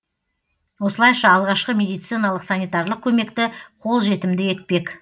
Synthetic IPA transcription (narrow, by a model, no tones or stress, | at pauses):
wo̞səlˠɑjʃɑːlˠʁɑʃqəmʲe̞d̪ijt̪sɨjnɑlˠəqsanijt̪aɾlˠəq̚kʲʰɵme̞kt̪ɪqʰo̞lˠʒe̞t̪ɪmd̪ɪe̞t̪̚pe̞k